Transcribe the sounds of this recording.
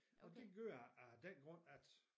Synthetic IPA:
ʔɒd̥e̝ɡ̥øːɐ̰æd̥enɡ̥ʁɔ̽n̰æd̥

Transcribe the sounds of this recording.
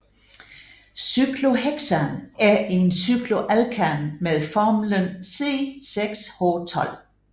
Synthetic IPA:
syɡ̥lo̝ɦeɡ̥sɐnæɐe̝nsyɡ̥lo̝ʔælkʰænmeðˠfɒːmlənse̝̰ːseɡ̥shɔ̰ːt͡sʰɒ̽l̰

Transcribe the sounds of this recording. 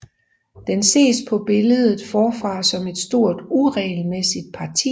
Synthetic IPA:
d̥ense̝̰ːspʰɒ̽b̥e̝ləðˠð̩ˠfɒːfʁɑ̈ːsɒ̽me̝d̥sd̥o̝ɐ̰d̥uʁɛːlmesid̥̚pʰɑ̈t͡sʰḭː

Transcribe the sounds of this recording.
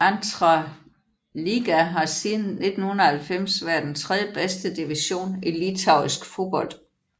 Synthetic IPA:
ænt͡sʰʁɑ | liɡ̥æɦɑ̈siːn̩ne̝d̥n̩hunɐhælfem̰sʋæɐd̥n̩t͡sʰʁɛð̞ˠjəb̥esd̥əd̥iʋiɕo̝̰ːnilit͡sʰɑ̈ʊisɡ̥fo̝ːb̥ɒ̽l̰d̥

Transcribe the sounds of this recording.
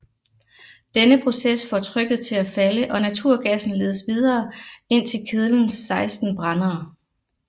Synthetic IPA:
d̥enəpʰʁo̝sesfɒt͡sʰʁœɡ̥ð̞̩ˠt͡sʰe̝læfæləʔɒ̽næt͡sʰuɐ̰ɡ̥æsn̩le̝ːð̞ˠəsʋiðˠɐːe̝n̰t͡sʰe̝lkʰeð̞ˠln̩sɑ̈ɪsd̥n̩b̥ʁɑnɐː

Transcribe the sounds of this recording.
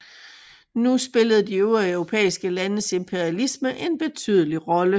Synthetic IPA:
nusb̥e̝ləð̞̩ˠd̥ioɐœʊʁo̝pʰḛːisɡ̥əlænəse̝mpʰe̝ɐiælisməʔe̝nb̥e̝t͡sʰy̰ðˠəliʁɒ̽lə

